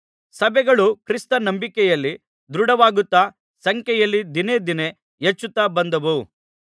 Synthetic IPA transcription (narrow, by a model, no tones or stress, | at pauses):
sɐbʱɛɡɐɭukɾist̪ɐnɐmbikɛjɐlːi | d̪ɾuɽɐʋaːɡut̪ːaː | sɐŋkjɛjɐlːid̪ined̪ine | jet͡ʃːut̪ːaːbɐnd̪ɐʋu